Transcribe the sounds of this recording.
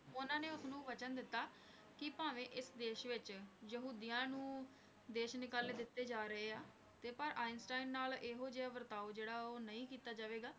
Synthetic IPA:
ʊnãːneːʊsnũːʋət͡ʃənd̪ɪt̪ːaː | kɪpaːʋẽːʔɪsd̪eːʃʋɪt͡ʃjəɦuːd̪ɪjãːnũː | d̪eːʃnɪkaːleːd̪ɪt̪ːeːd͡ʒaːɾəɦeːaː | t̪eːpəɾʔaːɪnsʈaːɪnːaːleɦoːd͡ʒeːaːʋəɾt̪aːud͡ʒeːɽaːoːnəĩːkiːt̪aːd͡ʒaːʋeːɡaː

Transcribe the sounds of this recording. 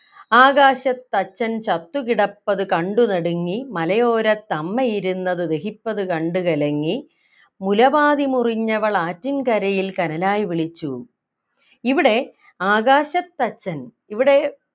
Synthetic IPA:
aːɣaːɕɐt̪ːɐt͡ɕːɐnt͡ɕɐt̪ːukiɽɐpːɐðɨkɐɳɖunɐɽuŋːimɐlɐjo̞ːɾɐt̪ːɐmːɐjiɾunːɐðɨd̪e̞hipːɐðɨkɐɳɖukɐlɐŋːi | mulɐbaːðimuriɲːɐʋɐɭaːtːinkɐɾɐjilkɐnɐlaːjiʋiɭit͡ɕːu | iʋiɽe̞ | aːɣaːɕɐt̪ːɐt͡ɕːɐn | iʋiɽe̞

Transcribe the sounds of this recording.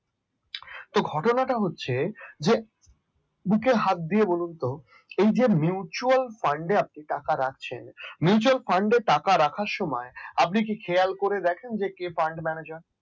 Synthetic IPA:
t̪oɡʱɔʈonaʈaɦotːɕʰed͡ʑe | bukeɦat̪̚d̪iebolunt̪o | ejd͡ʑemiut͡ɕualfaɳɖeap̚niʈakaɾakʰt͡ɕʰḛnmiut͡ɕualfaɳɖeʈakaɾakʰaɾʃɔmɔeap̚nik̬ikʰealkoɾed̪ɛkʰend͡ʑekefaɳɖmɛned͡ʑaɾ

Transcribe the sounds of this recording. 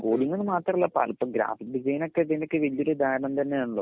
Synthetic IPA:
ɡoːɽiŋːɐnːɨmaːt̪rɐmuɭːɐpa̰ːlpːomɡɾa̰ːfikdid͡ʑɐjinokːet̪inɐkːɨʋɐlijuɾed̪aːɾɐɳɐmt̪ɐnːejuɳɭːoː

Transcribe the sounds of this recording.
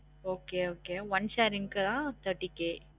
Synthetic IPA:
oːkeːoːkeːʋɐnʃaːɾɪŋkɯt̪ãːt̪ɐʈːikːeː

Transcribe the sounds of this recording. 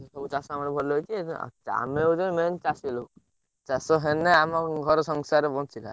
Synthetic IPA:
ek̪ʰɔbut͡ʃasɔamanebʱɔlɔɦɔjt͡ʃʰiḛt͡ʃa̰meud͡ʒɔment͡ʃasilo | t͡ʃasɔɦeneamɔɡʱɔɾɔsɔŋsaɾebɔ̃nt͡ʃila̰

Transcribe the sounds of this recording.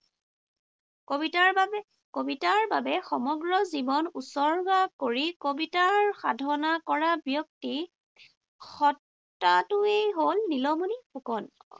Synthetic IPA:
kobitaɹba | kobitaɹbabɛxɔmɔɡɹɔzibɔnusɔɹɡakoɹikobitaɹxadʱɔnakɔɹabjɔk̚ti | xɔtː | atʊejɦolnilɔmunixukɔn

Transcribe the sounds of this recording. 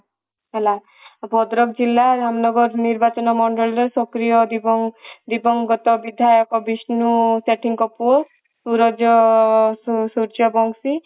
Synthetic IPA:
ɦela | bʱɔd̪ɾɔkd͡ʒilːaɾamnɔɡɔɾniɾbat͡ʃɔnɔmɔɳɖɔlɾesɔkɾijɔd̪ibɔd̪ibɔŋɡɔt̪ɔbid̪ʱajɔkɔbisnuseʈiŋkɔpuɔ | suɾɔd͡ʒɔssuɾd͡ʒɔbɔŋsi

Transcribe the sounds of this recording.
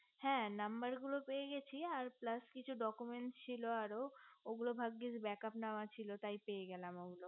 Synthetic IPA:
hɛ̃ːnambaɾɡulopejeɡɛt͡ɕʰiaɾplaskit͡ɕʰuɖɔkumeɳʈt͡ɕʰiloaɾooɡulobʱaɡːid͡ʑbɛkapnaoat͡ɕʰilot̪ajpejeɡɛlamoɡulo

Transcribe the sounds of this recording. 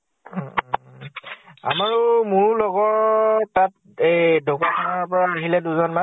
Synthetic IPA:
a̰maɹʊmʊɹlɔɡɔː | at | edokatʰanaɹpɔɹaːɦilɛduzɔnma

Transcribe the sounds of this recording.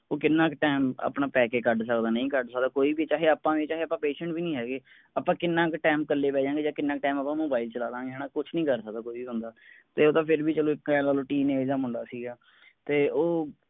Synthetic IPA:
oːkɪnːãːkʈeːmə̰pɳãːpɛːkeːkəɖsəkd̪aːnə̃ĩːkəɖsəkd̪aːkoːiːbiːt͡ʃaːɦeːəpːãːʋiːt͡ʃaːɦeːəpːãːpeːʃə̃ɳʈbiːnĩːɦɛːɡeː | əpːãːkɪnːãːkʈɛːmkəlːeːʋɛːd͡ʒãːŋɡeːd͡ʒãːkɪnːãːk̚ʈaːməpːãːmoːbaːɪlt͡ʃəlaːlãːŋɡeːɦɛːñãːkʊt͡ʃʰnəĩːkəɾsək̚d̪aːkoːiːbiːɦʊ̃nd̪aːt̪eːoːt̪ãːpʰɪɾbiːt͡ʃəlõːɪkːlaːloːʈiːneːd̪aːmʊɳɖa̰ːsiːɡaː | t̪eːoː

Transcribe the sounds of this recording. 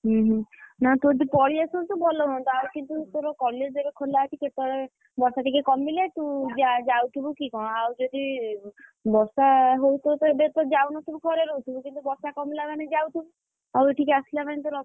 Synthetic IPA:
ɦũɦũnat̪od̪ipɔɽiesɔnt̪ubʱɔlɔɦɔnt̪ɔawkint̪ut̪oɾɔkɔled͡ʒd͡ʒebekʰolat͡ʃʰiket̪ɔɽe | bɔɾsaʈikekɔmilet̪ud͡ʒad͡ʒawt̪ʰibukikɔɽ̃awd͡ʒod̪i | bɔsaɦowt̪ʰɔt̪ebet̪ɔd͡ʒawnɔsebukʰɔɾeɾout̪ʰibukint̪ubɔɾsakɔmilabaned͡ʒawt̪ʰibu | aweʈʰikasilabant̪oɾɔ

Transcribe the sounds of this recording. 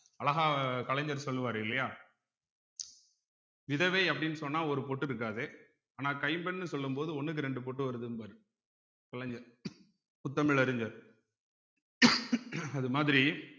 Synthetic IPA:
ɐlɐɣaːkɐlɛɲd͡ʒɐɾsɔlːɯʋaːɾɯɪlːɐjaː | ʋɪðɐʋeːɐpːɐɽɪnːɯsɔnːaːɔɾɯpɔʈːɪɾɯk̬ːaːðe | aːnaːkɐɪmbɛnːɯsɔlːɯmpoːðɯɔnːɯk̬ːɯɾɛɳɖɯp̬ɔʈːɯʋɐɾɯðɯnbɐɾɯ | kɐlɐɲd͡ʒɐɾ | ʊt̪ːɐmɪɭɐɾɯɲd͡ʒɐɾ | ɐðɯmaːðɪɾi

